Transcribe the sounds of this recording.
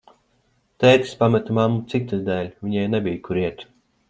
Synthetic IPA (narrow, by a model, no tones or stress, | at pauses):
t̪ɛjt̪ʲi̥spamɛt̪mamːut̪sikt̪ːɨd̪æːlʲvʲiɲɛjnɛbʲijkuɾiɛt̪